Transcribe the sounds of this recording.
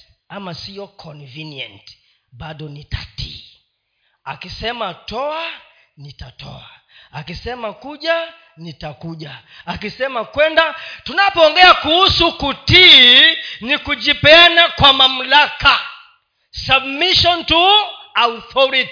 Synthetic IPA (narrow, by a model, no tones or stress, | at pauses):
amasiɔkʰɔnviniɛnt | ɓaɗɔnitḁtʰḭː | akisɛmatɔa | nitatɔ̰a | akisɛmakuʄa | nitakuʄaː | kisɛmakwɛndatunapɔɔːŋɡɛakuhusukuti | nikud͡ʒipɛanakwamam̩laka | sabmiʃɔntu | auθɔɾiti̥